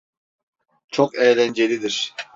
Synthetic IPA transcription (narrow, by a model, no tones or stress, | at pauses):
t͡ʃʰokɛːlænd͡ʒelʲid̪iɾ